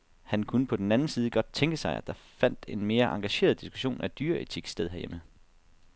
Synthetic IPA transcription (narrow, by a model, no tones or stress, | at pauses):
hænkʰunəpʰɒ̽d̥enænn̩siːð̞̩ˠəɡ̥ɒ̽d̥̚t͡sʰeŋɡ̥əsɑ̈ɪʔæ̰d̥ɑ̈fæn̰d̥e̝nme̝ːɐʔɑ̈ŋɡ̥æɕe̝̰ːɐð̞ˠd̥isɡ̥u̥ɕo̝̰ːnʔæd̥yːɐet͡sʰiɡ̥sd̥eðˠɦeæɐjemə